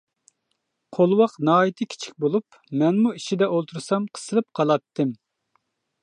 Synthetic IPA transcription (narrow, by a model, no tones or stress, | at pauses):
qʰolˠwɑqnɑːjit̪ʰɨkʲʰi̥t͡ʃʰi̥k̚ʲbolˠup | mɛnmuiʃid̪ɛʔolˠt̪ʰuɾsɑmqʰə̥sɨlˠɨp̚qʰɑlˠɑt̪ːɨm